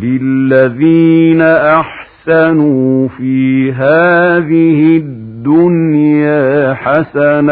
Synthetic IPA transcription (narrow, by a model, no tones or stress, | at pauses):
lɪlːaðiːnaʔaħ | sanuːfiːɦaːðɪhɪd̪ːʊnjaːħasana